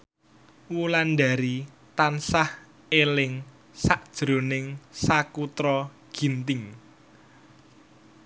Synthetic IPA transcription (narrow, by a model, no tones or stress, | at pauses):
wulandaɾi | t̪ansah | elɪŋ | saʔd̥ʒ̥ɾo̤nɪŋsakut̪ɾɔ | ɡ̥int̪ɪŋ